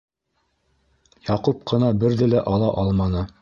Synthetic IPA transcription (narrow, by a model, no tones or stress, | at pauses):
jɑqup̚qɤ̆nɑbɘɾðɘlæʔɑlˠɑʔɑlˠmɑnɤ